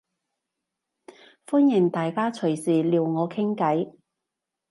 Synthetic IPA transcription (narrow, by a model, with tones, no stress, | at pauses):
fuː˥njɪ˨˩ŋt̪aː˨jkaː˥t͡ʃʰɵ˨˩ɥsiː˨˩liː˨˧wŋɔː˨˧kʰɪ˥ŋkɐ˨˥j